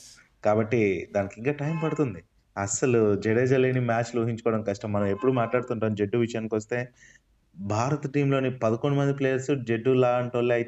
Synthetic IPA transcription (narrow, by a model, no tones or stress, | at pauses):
kaːbɐʈːid̪aːnikiŋkaːʈɐjmpɐɽut̪und̪i | ɐsɐlud͡ʒeɽeːd͡ʒɐleːnimaːt͡ʃluʋuːɦiɲt͡ʃukɔːɽɐmkɐsʈɐmːɐnɐme̞pːuɽumaːʈlaːɽut̪uɳʈaːmd͡ʒe̞ɖːuʋiʃɐjaːnkiʋɐst̪e̞ː | bʱaːɾɐt̪ɐʈiːmlo̞ːnipɐd̪ɐkoɳɖumɐnd̪ipleːjɐɾsud͡ʒe̞ɖːulaːɐɳʈuʋɐliɐj